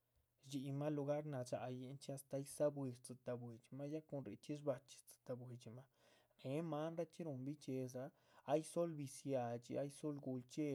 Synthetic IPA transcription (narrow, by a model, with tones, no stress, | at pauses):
d͡ʒi˧ma˦lu˧ɡa˦ɾna˨d͡ʒa˨je˧nt͡ʃi˦a˧st̪a˧˦jsa˦bwi˧ɾt͡sɨ˨t̪a˨bwe˨t͡ʃi˨ma˦ja˦ko˧nɾḛ˨t͡ʃi˦ʂ̬ba˧t͡ʃi̥˨t͡sɨ̥˧t̪a˧bwe˨d͡ʒi˨ma˦ | ne˨˦ma˦nɾa˦t͡ʃi˦ɾo˧mbi˦t͡ʃe˧s̬a˧ | a˦jso˦lbi˧sja˨t͡ʃḭ˧a˦jso˦lɡu˧lt͡ʃe˦